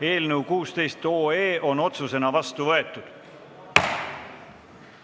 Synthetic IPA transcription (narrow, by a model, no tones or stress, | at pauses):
e̞ːlnəwkuːst̪e̞jst̪o̞ːeːʔo̞no̞t̪suse̞nɑvɑst̪uvɤe̞t̪ːˑud̪̥